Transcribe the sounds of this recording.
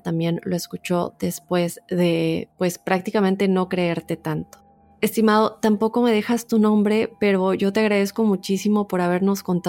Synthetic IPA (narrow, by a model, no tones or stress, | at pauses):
t̪ambje̞nlo̞e̞skut͡ʃo̞ðe̞spwe̞zðe̞pwe̞spɾak̚t̪ikamẽnt̪e̞no̞kɾe̞eɾt̪e̞t̪ant̪o̥ | est̪imað̞o̞t̪ampo̞ko̞me̞ð̞e̞xast̪unõ̞mbɾe̞pe̞ɾo̞ʝo̞t̪eaɣ̞ɾaðe̞sko̞mut͡ʃisimo̞po̞ɾaβ̞e̞ɾno̞sko̞nt̪a